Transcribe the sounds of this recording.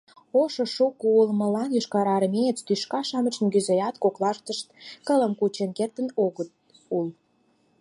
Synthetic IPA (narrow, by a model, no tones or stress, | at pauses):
oʃoʃukuulmə̆lɑnjyʃkɑɾɑɾmeet͡st̪yʃkɑʃɑmət͡ɕə̆nkyzejɑt̪koklɑʃt̪əʃt̪̚kə̆lə̆mkut͡ɕenkert̪ə̆noɣət̪̚ | ul